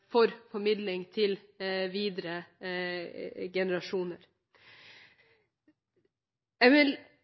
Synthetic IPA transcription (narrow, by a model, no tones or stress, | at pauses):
fɔɾfɔɾmɪd̪lɪŋt̪ʰɪlʋiːd̪ɾə | ɡɛnəɾɑʃuːnəɾ | jɛʋɪl